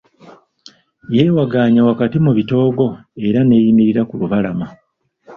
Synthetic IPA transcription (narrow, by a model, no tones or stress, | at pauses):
jeːwaɡaːɲawakatimuβito̞ːɡo̞e̞ɾane̞ːjimiɾiɾakuluβalama